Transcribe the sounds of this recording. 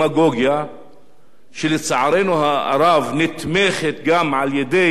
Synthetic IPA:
aɡoɡja | ʃelet͡saʕaɾenuɦaa̰ɾavnit̪meχet̪ɡamʕaljed̪e

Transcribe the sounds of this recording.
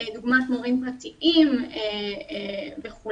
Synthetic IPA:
eduɡmatmuʁimpʁat̪iʔime | veχu

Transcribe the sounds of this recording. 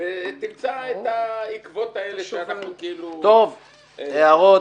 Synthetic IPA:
vet̪imt͡saet̪aikvo̞t̪aeleʃeanaχnukeilut̪ov | eaʁo

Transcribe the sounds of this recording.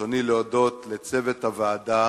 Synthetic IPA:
onileodo̞t̪let͡se̞vet̪havaːda

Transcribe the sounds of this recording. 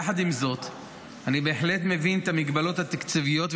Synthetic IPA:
ħad̪imzo̞t̪ | anibe̞ːħle̞t̪me̞vinet̪amiɡbalo̞t̪hat̪akt͡sivijo̞t̪v

